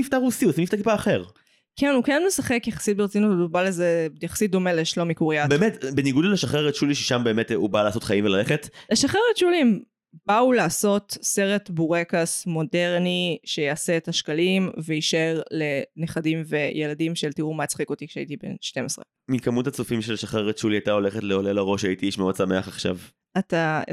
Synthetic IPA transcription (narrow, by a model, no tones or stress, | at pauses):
ift̪aʁusiusimift̪aʁkipaːχeʁ | kʰenukenmesaχekjaχḁsit̚beʁet͡sinutotubalezejaχḁsit̚d̪o̞meleʃlomikuʁiabeːmetbeniɡudleʃaχeʁetʃuliʃeʃambe̞ːmetubalasotχaimvelaleχetleʃaχeʁetʃulim | baulaːso̞tse̞ʁetbuʁekasmo̞deʁniʃejaːseːtaʃkalimveiʃaeʁle̞neχadimvejeladimʃeltiʁumat͡sχikot̪ikʃeaitibḛnʃte̞mesʁḛ | mikamutat͡sufimʃelaʃaχeʁet̪ʃuliajtao̞leχetleolelaʁo̞ʃaitiiʃmeodsameaχaχʃa̰v | ata